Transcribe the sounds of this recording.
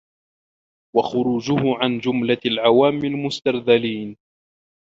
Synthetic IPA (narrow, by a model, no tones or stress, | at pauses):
waxʊɾuːd͡ʒʊhʊʕand͡ʒʊmlalʕawaːmɪlmʊst̪aɾðaliːn